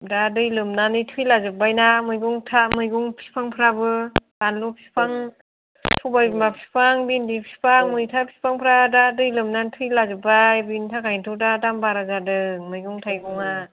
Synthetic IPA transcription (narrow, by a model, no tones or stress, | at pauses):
dadɯjlɯmnanitʰujlazɯbajnamɯjɡuŋtʰamɯjɡuŋpʰi̥pʰaŋpʰɯɾabɯdanlupʰi̥pʰaŋ | tʰubajbimapʰi̥pʰaŋbindipʰi̥pʰaŋmɯjtʰapʰi̥pʰaŋpʰɯɾadadɯjlɯmnantʰɯjlazɯbajbintʰakʰajntʰudadambaɾazadɯmɯjɡuŋtʰajɡuŋa